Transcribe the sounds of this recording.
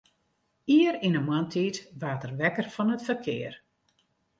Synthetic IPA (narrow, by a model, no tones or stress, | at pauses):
iəɾinəmwantʰiːtʋaːtərʋɛkərfɔnətfərkʰɪ̰ːər